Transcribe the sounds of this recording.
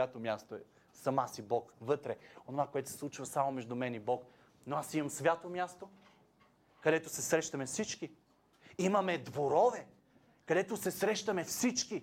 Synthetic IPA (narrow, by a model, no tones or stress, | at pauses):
at̪omʲjast̪oɛ | sɐmasibɔkvɤt̪ɾɛonovakoɛt̪o̥sɛ̥slˠut͡ʃvɐsamomɛʒd̪ʊmɛnibɔk | noasimɐmsvʲjat̪omʲjast̪o | kɐd̪ɛt̪osɛsɾɛʃt̪ɐmɛfsit͡ʃki | imɐmɛd̪voɾɔvɛ | kɐd̪ɛt̪osɛsɾɛʃt̪ɐmɛfsit͡ʃki